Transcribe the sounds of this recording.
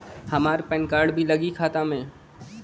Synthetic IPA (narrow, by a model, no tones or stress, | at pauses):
hɐmaːɾpɛnkaːɾɖbʱilɐɡikʰaːt̪ãmẽː